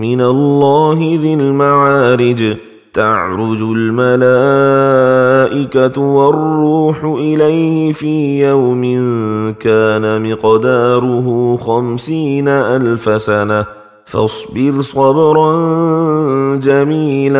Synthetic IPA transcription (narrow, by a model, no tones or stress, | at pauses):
mɪnalːɑːɦɪðɪlmaʕaːɾɪd͡ʒ | t̪aʕɾʊd͡ʒʊlmalaː | ʔɪkatwarˤːuːħʊʔɪlajhɪfiːjawmɪnkaːnamɪqd̪aːɾʊɦuxamsiːnaʔalfasana | fɑ̰sˤbɪɾsˤɑbɾˤɑn | d͡ʒamiːla